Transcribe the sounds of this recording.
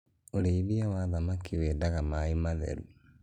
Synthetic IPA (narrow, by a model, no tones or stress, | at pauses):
oɾeiβiawaðamakiwedaɣamaemaðɛ̰ɾu